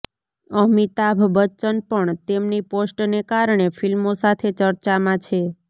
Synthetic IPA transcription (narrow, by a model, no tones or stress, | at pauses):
əɦmit̪abʱbət͡ʃənpəɳt̪emniposʈnekaɾɳefʰilmosat̪ʰet͡ʃəɾt͡ʃamãt͡ʃʰe